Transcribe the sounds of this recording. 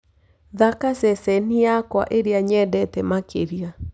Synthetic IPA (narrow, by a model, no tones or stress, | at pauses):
ðakasɛsɛnijakwa̰ʔeɾeaɲɛdɛtɛmakʰeɾia